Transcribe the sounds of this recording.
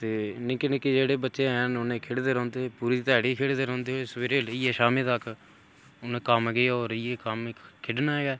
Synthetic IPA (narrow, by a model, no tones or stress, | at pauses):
t̪eːnẽːkɪnẽːkid͡ʒeːɽeːbətːʃeːɦənʊnẽːkʰɪɽd̪eːɾɔ̃ːnd̪eːpuːɾiːt̪ɛːɽiːkʰeɽd̪eːɾɔ̃ːnd̪eːɦosəʋeːɾeːləiːeːʃaːmet̪əkʰ | ʊnẽːkəmɡeoːɾəieːkəmkʰɪɖnaːɦɛːɡaː